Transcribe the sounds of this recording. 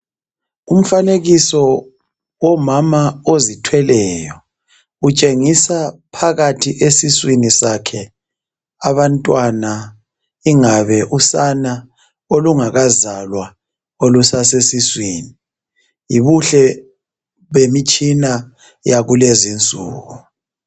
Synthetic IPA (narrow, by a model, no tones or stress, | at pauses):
um̩faneɣisɔ | wɔmamaozitʰwɛlɛjɔ | ut͡ʃʼeŋisapʰaɣatʰiʔesiswinisakʰɛ | aβantʼwana | iŋaβɛʔusana | oluŋaɣazalwa | olusasesiswiːni | jiβuɬɛ | βemit͡ʃʼina | jaɣulezint͡sʼṵːɣu